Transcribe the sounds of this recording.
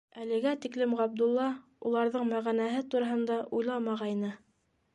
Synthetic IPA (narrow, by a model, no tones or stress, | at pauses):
ælɘ̆ɡæt̪iklɘmʁɑb̚d̪ulˠːɑ | ulˠɑɾðɤɴmæʁænæɦɘt̪uɾɑɦɤ̆nd̪ɑʔujlˠɑmɑʁɑjnɤ